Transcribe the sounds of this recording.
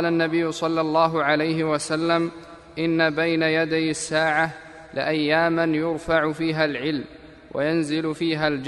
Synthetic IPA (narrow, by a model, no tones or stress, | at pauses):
lanːabɪjːʊsˤɑlːɑlˤːɑːɦʊʕalajɦɪwasalːam | ʔɪnːabajnajad̪ajasːaːʕa | lɪ̰ʔajːaːmanjʊɾfaʕʊfiːɦalʕɪlm | wʔa̰janzɪlʊfiːɦald͡ʒ